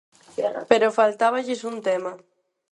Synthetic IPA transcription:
peɾofalt̪aβ̞aʎisunt̪ema

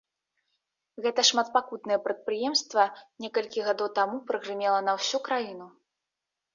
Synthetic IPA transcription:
ɣɛt̪ɐʂmat̪̚pakut̪̚nɨjɛpɾɐt̪̚pɾɨjɛmst̪vɐnʲɛkɐlʲkʲiɣad̪ɔwt̪amupɾɨɣrɨmʲɛlˠɐnɐwsʲukɾajin̪u

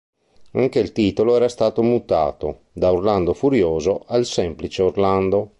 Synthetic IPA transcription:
aŋkeilt̪iːt̪oloɛːɾast̪aːt̪omut̪a̰ːt̪o̰ | d̪aurland̪ofuɾjoːzoʔalsɛmplit͡ʃeorland̪o

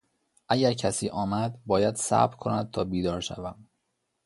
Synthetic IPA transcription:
ʔæɟæɾcʰæsiːʔɒːmæd̪bɒːjæd̪̥sæ̰bɾkʰo̞næd̪̚t̪ʰɒːbiːd̪ɒːɾʃæ̰væm

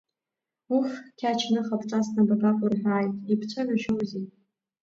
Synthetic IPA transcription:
uxkʲʰat͡ʃʰnɨχapʰʈ͡ʂʷʼasnababakʷʼʊrħᶣʷaːjtʼipʰt͡ɕʷʰaʕʷaʒowzi

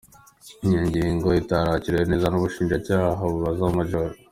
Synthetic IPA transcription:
iɲaɲɟiːŋɡo̞itaɾaciɾejene̞ːzanuβuʃiːnʒacaːɦaβuβazamaʒoɾo

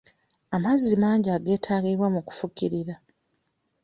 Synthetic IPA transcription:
amazːimaːɲɟaːɡe̞ːtʰaːɡiβwamuku̥fuciɾiɾa

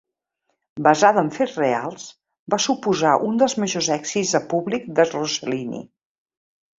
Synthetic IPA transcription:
bəzaðəːɱfezrealˠs | basupuzaʔund̪əlˠzməʒozɛkz̥id͡zzðəpuβlikd̪əzruzəlinḭ

